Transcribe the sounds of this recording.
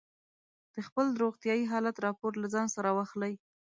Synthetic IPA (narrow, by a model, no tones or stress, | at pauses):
d̪̥əxpəld̪ɾoɣt̪jɑjiɦɑlat̪ɾɑpoɾlazɑnsaɾawaxlaj